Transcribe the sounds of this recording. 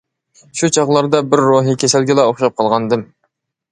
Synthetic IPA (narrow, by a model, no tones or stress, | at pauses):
ʃut͡ʃʰɑʁlˠɑɾd̪ɑbɪɾːoɦikʲʰesɪlɡʲɪlˠɑoχʃɑp̚qʰɑlˠʁɑnɨd̪ɨm